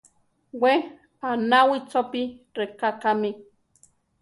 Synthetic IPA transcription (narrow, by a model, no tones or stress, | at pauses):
we | anawit͡sopiɾekakami